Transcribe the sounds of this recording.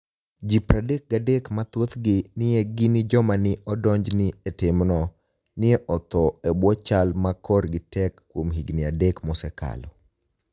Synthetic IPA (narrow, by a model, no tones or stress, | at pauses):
d͡ʒipɾadek̚ɡadekmat̪ot̪ɡɪnɪɛɡɪnɪd͡ʒɔmanɪʔɔdɔɲd͡ʒnɪetɪmnɔ | nɪɛʔɔt̪ɔebwɔt͡ʃalmakɔrɡɪtɛkːwomɦiɡnɪadekmɔsɛka̰lɔ̰